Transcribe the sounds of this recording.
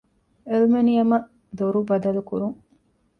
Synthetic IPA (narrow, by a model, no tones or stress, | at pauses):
elmenijɐmɐʔ | d̪oɾubɐd̪ɐlukuɾuŋ